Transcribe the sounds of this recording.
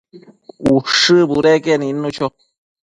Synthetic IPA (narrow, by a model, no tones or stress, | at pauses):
uʂɨbuɾɛkɛnĩnnːũt͡ɕʰo